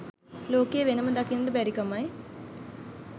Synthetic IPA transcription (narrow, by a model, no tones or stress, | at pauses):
loːkejeʋenəməd̪akinəʈəbæɾikamaj